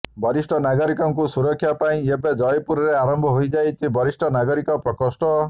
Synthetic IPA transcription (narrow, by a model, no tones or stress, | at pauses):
bɔɾisʈɔnaɡɔɾikɔŋkusuɾɔkʰːjapaĩebed͡ʒɔjpuɾɔɾeaɾɔmbʱɔɦojd͡ʒajt͡ʃʰibɔɾisʈʰɔnaɡɔɾikɔpɾɔkɔsʈɔ